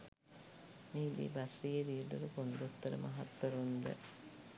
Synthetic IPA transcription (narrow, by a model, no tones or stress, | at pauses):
milḭbasɾijed̪ijeʈ̪uɾukond̪ot̪ːəɾəmaɦat̪wɐɾund̪ə̰